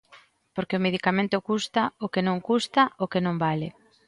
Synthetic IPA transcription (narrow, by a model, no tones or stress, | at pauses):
poɾkeomeðikamẽnt̪ʊkust̪aokenõŋkust̪aokenõmbale